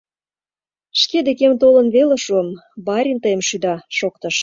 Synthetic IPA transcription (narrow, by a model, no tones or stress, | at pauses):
ʃked̪ekemt̪olə̆nβeleʃuəmbɑɾʲint̪əjəmʃyd̪ɑʃokt̪ə̆ʃ